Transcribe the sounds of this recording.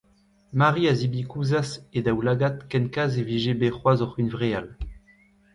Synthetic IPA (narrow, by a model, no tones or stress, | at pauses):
maʁiazibikuzased̪awlaɡat̪kɛnkazeviʒebeχwazɔʁynvʁeal